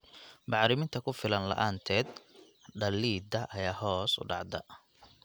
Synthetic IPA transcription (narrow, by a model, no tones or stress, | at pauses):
bɑʕɾɪmɪnt̪ʰɐkʰʊfɪlɐnlɐ̰ʔaːnt̪ʰɛːd̪ | ɖɐlːiːd̪ɐʔɐjaːhɔːsʊ̰ɖɑʕd̪ɐ̰